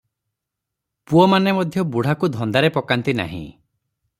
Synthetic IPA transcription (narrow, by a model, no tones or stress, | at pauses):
puɔmanemɔd̪ʱjɔbuɽ̤akud̪ʱɔnd̪aɾepɔkant̪ina̰ɦḭ̃